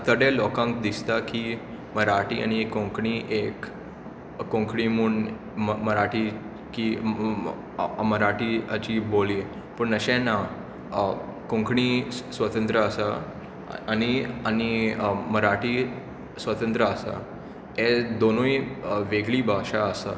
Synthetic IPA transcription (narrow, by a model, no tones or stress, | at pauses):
t̪əɽelɔkãŋkd̪ist̪aki | məɾaʈḭːa̰ñiekːõŋkɳiːʔekː | õŋkʰɳimuːn | məɾaʈiː | ki | məɾaʈiːət͡ɕiboliː | pəɳnəɕɛ̃na | kõŋkɳiːsʋət̪ə̃nt̪ɾəəsa | añiañiməɾaʈiː | sʋət̪ə̃nt̪ɾəəsa̰ | ed̪onuiʋeɡliːbʱaɕaəsa